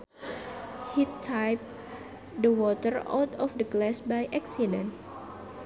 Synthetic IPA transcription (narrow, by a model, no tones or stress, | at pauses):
hit̪ʰːajp̚ | dəwɔt̪əra̰wt̪ɔfdəɡlɛsbajʔɛksidɛ̃nt